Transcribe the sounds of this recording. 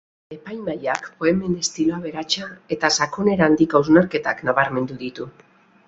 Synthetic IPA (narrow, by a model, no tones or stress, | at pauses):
e̞pajmajakpo̞e̞me̞ne̞st̪iloaβe̞ɾat͡ʃae̞t̪asakone̞ɾand̪ikawznaɾke̞t̪aknaβaɾme̞nd̪uðit̪u